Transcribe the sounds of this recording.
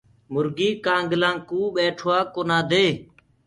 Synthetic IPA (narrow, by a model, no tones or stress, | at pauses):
mʊɾɡiːkãːŋɡlãːŋkuːɓeːʈʰoːaːkoːnãːd̪eː